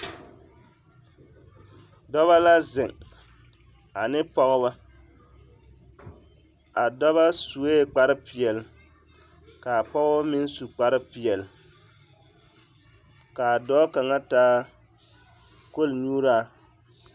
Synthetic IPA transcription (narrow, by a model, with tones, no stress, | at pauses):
dɔ˦βa˦la˦zɪ˨ŋ | a˨nɪ˦pɔ˦ɣʊ˦ba˦ | a˨dɔ˦βa˦su˨eː˦˨k͡pa˦ɾɪ˦pɪ˨ɛ˨l | ka˨pɔ˦ɣba˦mɪ˦n˦su˨k͡pa˨ɾɪ˦pi˨ɛ˨l | ka˨dɔː˦ka˨ŋa˦taː˦ | ko˦˨lɲuː˦ɾaː˦˨